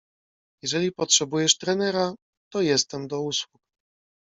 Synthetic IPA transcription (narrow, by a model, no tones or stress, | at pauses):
jɛʐɛlʲipɔtʂɛbujɛʂt̪ɾɛnɛɾa | t̪ɔjɛst̪ɛmd̪ɔuswuk